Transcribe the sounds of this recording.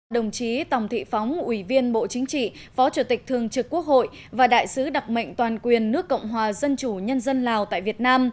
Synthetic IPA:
ɗə˨˩wŋ͡mt͡ɕi˨˦t̪ə˨˩wŋ͡mt̪ʰḭ˧˨fa˨˦wŋ͡mʔwi˧˩vi˧ənɓo̰˧˨t͡ɕï˨˦ŋ̟t͡ɕḭ˧˨fɔ˨˦t͡ɕu˧˩t̪ï˨˩k̟̚t̪ʰɨ˨˩əŋt͡ɕɨ˨˩kːu˦˥ək̚ho̰˧˨j | vaː˨˩ɗa̰ː˧˨jsɨ˨˦ɗa˨˩k͡p̚mə̰˧˨jŋ̟t̪waː˨˩nkwi˨˩ənːɨ˦˥əkːə̰˧˨wŋ͡mɦwaː˨˩zə˧nt͡ɕu˧˩ɲə˧nzə˧nlaː˨˩wt̪a̰ː˧˨jvi˨˩ət̚naː˧m

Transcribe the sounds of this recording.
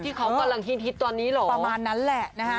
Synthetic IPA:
t̪ʰiː˥˩kʰa˦˥wka˧mla˧ŋɦi˥˩ŋt̪ʰi˦˥t̪ːɔː˧nːiː˦˥lɔː˨˦a˧˦maː˧nːa˦˥nlɛ˨˩ʔna˦˥˦

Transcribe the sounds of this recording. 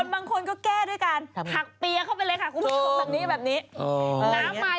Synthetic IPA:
o˧nbaː˧ŋkʰo˧nkɔː˥˩kɛː˥˩du˥˩əjkaː˧npʰa˨˩k̚pi˧ɐkʰa˥˩wpa˧jlɤ˧jkʰa˦˥˩kʰuː˧˦˧bɛː˨˩p̚niː˦˥˩bɛː˨˩p̚niː˦˥˧naː˨˦˥mːaː˦˥

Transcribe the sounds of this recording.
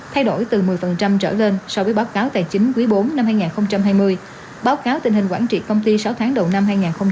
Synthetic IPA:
t̪ʰa˧jɗo̰˧˩jt̪ɨ˨˩mɨ˨˩əjfə˨˩nt͡ɕa˧mt͡ɕə̰ː˧˩le˧nsɔ˧wvəː˨˦jɓaː˨˦wkaː˨˦wt̪a̰ː˧˨jt͡ɕï˨˦ŋ̟kwi˨˦jɓo˨˦nːa˧mhaː˧jŋaː˨˩nxə˧wŋ͡mt͡ɕa˧mɦaː˧jmɨ˧əj | ɓaː˨˦wkaː˨˦wt̪ï˨˩ŋ̟hï˨˩ŋ̟kwaː˧˩nt͡ɕḭ˧˨kə˧wŋ͡mt̪i˧saː˨˦wt̪ʰaː˨˦ŋɗə˨˩wna˧mɦaː˧jŋaː˨˩nxə˧ŋ͡m

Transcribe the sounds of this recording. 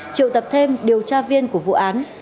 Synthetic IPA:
t͡ɕḭ˧˨wt̪ə˨˩p̚t̪ʰe˧mɗi˨˩əwt͡ɕaː˧vi˧ənku˧˩əvṵ˧˨ʔaː˨˦n

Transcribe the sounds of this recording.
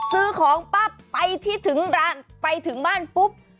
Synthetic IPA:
sɯː˧kʰɔː˩˦ŋpa˦˥˩pːa˧jt̪ʰiː˥˩t̪ʰɯ˩˦ŋɾaː˧˥˩npa˧jt̪ʰɯ˩˦ŋbaː˥˩npu˦˥p̚

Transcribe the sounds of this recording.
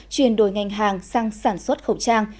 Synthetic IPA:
t͡ɕwi˨ənɗo˧˩˦jŋa˨˩jŋ̟ɦaː˨˩ŋsa˧ŋsaː˧˩nswə˦˥t̚xə˨˩wt͡ɕaː˧ŋ

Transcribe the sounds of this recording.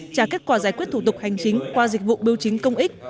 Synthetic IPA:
t͡ɕaː˧˩ke˦˥t̚kwaː˧˩zaː˧˩kwt̪̚ʰu˧˩t̪k̚ha˨˩jŋ̟t͡ɕï˨˦ŋ̟kwaː˧zi˨˩k̟̚vṵ˧˨ɓi˧əwt͡ɕi˨˦ŋ̟kə˧wŋ͡mʔi˦˥k̚

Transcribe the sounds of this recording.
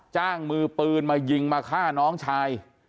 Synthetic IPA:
t͡ɕaː˥˩ŋmɯː˧pɯː˧nmaː˧ji˧ŋmaː˧kʰaː˥˩nɔː˦˥ŋt͡ɕʰaː˧j

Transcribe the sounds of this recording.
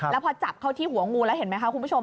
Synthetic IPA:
ɛː˦˥wpʰɔː˧t͡ɕa˨˩p̚kʰa˥˩wt̪ʰiː˥˩ɦu˩˦ɐŋuː˧lɛː˦˥whe˩˦nma˦˥jkʰa˥˩ku˧nbu˦˥˩t͡ɕʰo˧m

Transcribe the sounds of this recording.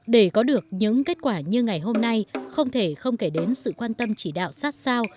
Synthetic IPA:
ɗe˧˩kɔ˨˦ɗɨ˨˩ək̚ɲɨ̰˧˥ŋke˦˥t̚kwaː˧˩ɲɨ˧ŋa˨˩jɦo˧mna˧jxə˧wŋ͡mt̪ʰe˧˩xə˧wŋ͡mke˧˩ɗe˨˦nsɨ̰˧˨kwaː˧nt̪ə˧mt͡ɕi˧˩ɗa̰ː˧˨wsaː˦˥t̚saː˧w

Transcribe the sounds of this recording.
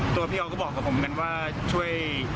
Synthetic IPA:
t̪u˧ɐpʰiː˥˩ʔɔ˧kɔː˥˩bɔː˨˩kːa˨˩pʰo˩˦mka˧nwaː˥˩ | t͡ɕʰu˥˩əj

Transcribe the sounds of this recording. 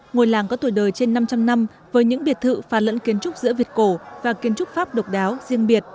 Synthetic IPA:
ŋo˨˩jlaː˨˩ŋkɔ˨˦t̪u˧˩jɗəː˨˩jt͡ɕe˧nːa˧mt͡ɕa˧mna˧m | vəː˨˦jɲɨ̰˧˥ŋɓi˨˩ət̚t̪ʰɨ̰˧˨faː˧˩lə̰˧˥nki˨˦ənt͡ɕʊ˦˥k͡p̚zɨ̰˧˥əvi˨˩ət̚ko˧˩vaː˨˩ki˨˦ənt͡ɕʊ˦˥k͡p̚faː˦˥p̚ɗə˨˩wk͡p̚ɗaː˨˦wzi˧əŋɓi˨˩ət̚

